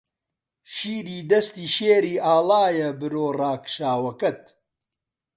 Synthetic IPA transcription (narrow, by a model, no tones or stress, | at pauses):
ʃiːɾiːd̪ɐst̪iːʃeːɾiːʔaːlaːjɐbɨɾoːraːkʃaːwɐkɐt̪̚